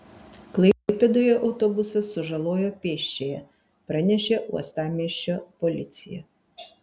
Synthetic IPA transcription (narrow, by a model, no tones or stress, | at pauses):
klˠɐɪpʲɛd̪oːjɛʔɒʊt̪ɔbʊsɐsʊʒɐlˠoːjopʲeːʃʲt͡ʃʲejɛ | pɾɐnʲɛʃʲeʔṵɔst̪ɑːmʲiɛʃʲt͡ʃʲopɔlʲɪt̪sʲɪjɛ̰